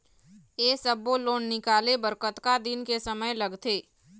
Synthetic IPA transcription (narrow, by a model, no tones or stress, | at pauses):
eːsəbːoloːnːɪkaːlebəɾkət̪kad̪ɪnkesəməjlɐɡt̪ʰeː